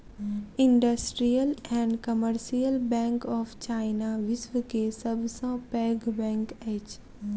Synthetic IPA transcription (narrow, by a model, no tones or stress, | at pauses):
ɪ̃ɳɖəsʈɾijəlɛ̃ɳɖkəməɾʃijəlbɛ̃ːŋkɔːfʰt͡ʃaːɪnaʋɪsʋəkesɐbsãpɛːɡbɛ̃ːŋkɛːt͡ʃ